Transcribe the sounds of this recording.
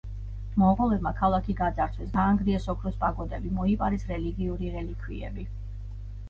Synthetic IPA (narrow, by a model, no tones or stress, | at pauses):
mɔqʼɔlɛbmakʰalˠakʰiɡad̪zaɾt̪sʰwɛsɡaːŋɡɾiɛsɔkʰɾɔspʼaɡɔd̪ɛbimɔipʼaɾɛsɾɛliɡiuɾiɾɛlikʰwḭɛ̰bi